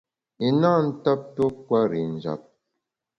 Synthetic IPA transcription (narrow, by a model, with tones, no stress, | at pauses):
i˨na˦n̩˦ta˦p̚to˦kwa˦ɾi˨n̩˨d͡ʒa̰˨p̚